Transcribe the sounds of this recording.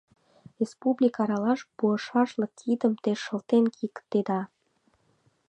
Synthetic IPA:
respublʲikɑɾɑlɑʃpuəʃɑʃlə̆k̚t̪ʰid̪əmt̪eʃə̆lt̪enkʰikt̪ːed̪ɑ

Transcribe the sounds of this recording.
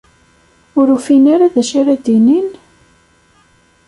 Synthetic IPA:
ʊɾufinaɾaðæʃaɾæd̪inin

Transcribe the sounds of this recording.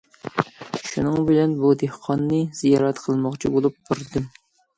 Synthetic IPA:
ʃunɨŋbɪlɛnbud̪ehqʰɑnːɨz̥ijɑɾɛt̪qʰəlˠmɑχt͡ʃʰibolˠup̚buɾd̪ɨm

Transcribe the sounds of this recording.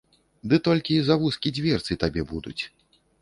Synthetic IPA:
d̪ɨt̪ɔlʲkʲizavuskʲid͡zʲvʲɛrt̪sɨt̪abʲɛbud̪ṵt͡sʲ

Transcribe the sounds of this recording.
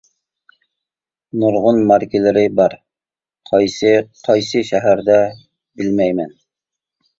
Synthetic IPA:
nuɾʁʊnmɑɾkʲɪlɪɾɪbɑɾ | qʰɑjsɨqʰɑjsɨʃɛɦæɾd̪ɛ | bɪlmɛjmɛn

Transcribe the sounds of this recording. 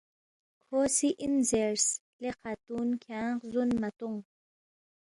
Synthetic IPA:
kʰosiʔinzeɾsleqat̪unkʰaɴqzunmat̪uŋ

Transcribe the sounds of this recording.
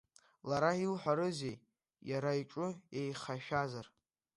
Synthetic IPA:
laɾailħʷaɾɨzej | jaɾaiʈ͡ʂʼʊejχaʃᶣazar

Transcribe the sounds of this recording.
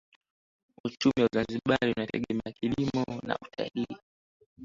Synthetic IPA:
ut͡ʃumiwazanziɓaliunatɛɠɛmɛakilimɔna̰utʰa̰liː

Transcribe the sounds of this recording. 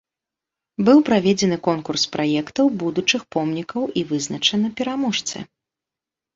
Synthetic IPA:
bɨwpɾavʲed͡zʲɛnɨkɔnkurspɾajɛkt̪ɐwbud̪ut͡ʂɨxpɔmnʲikɐwʔivɨznɐt͡ʂɐnɨpʲɛɾamɔʂt̪sɨ̰

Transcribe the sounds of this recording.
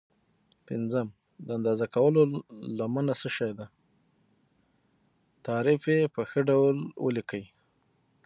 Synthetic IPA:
pɪnzəm | d̪əand̪ɑzakawəlolamanasəʃɑjd̪a | t̪ɑɾɪfjepəxəɖawlwə̰likəwi

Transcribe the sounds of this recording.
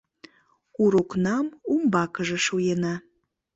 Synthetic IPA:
uɾoknɑmumbɑkəʒĕʃujenɑ

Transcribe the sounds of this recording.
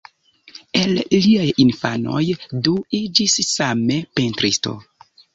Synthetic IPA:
e̞lliajinfano̞̰jduid͡ʒissame̞pentɾisto̞̰

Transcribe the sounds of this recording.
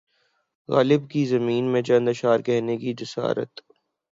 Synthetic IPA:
ɣa̰ːlɪbkizɐmiːnmẽt͡ʃɐ̃nd̪əʃaːɾkɛɦnekid͡ʒɪsa̰ːɾə̰t̪

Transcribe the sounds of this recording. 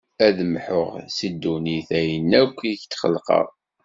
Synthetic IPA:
æðəmħoʁsid̪ːuniθæjənːækʷːiçt̪ːχə̰lqə̰ʁˤ

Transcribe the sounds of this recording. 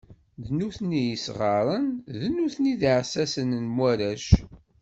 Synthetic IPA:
ðnuθnijəsʁɑɾˤənðnuθniðiʕsæsənənmwæɾæʃ

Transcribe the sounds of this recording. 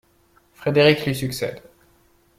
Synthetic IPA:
fχed̪eʁiklɥisyksɛ̰d̪

